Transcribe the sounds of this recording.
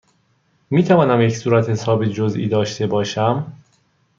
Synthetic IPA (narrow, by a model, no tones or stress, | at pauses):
miːt̪ʰævɒːnæmjecsuːɾæt̪he̞sɒːbed͡ʒozʔḭːd̪ɒːʃt̪ʰe̞bɒːʃæm